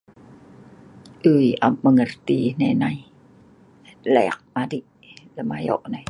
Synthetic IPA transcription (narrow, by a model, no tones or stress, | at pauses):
ʔɯjʔa̰pmaŋərt̪inɛnaj | lɛ̰k̚madiʔ | lɛmajɔ̰ʔnaj